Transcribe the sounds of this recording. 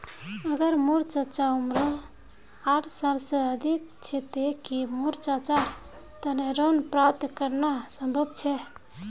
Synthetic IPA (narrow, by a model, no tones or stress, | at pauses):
əɡəɾmuɾt͡ʃət͡ʃaumɾə | aʈʰsalsə̃əd̪ʱikt͡ʃʰɛt̪ekimuɾt͡ʃat͡ʃa | t̪əneɾonpɾap̚t̪kəɾnasəmbʱəbt͡ʃʰɛ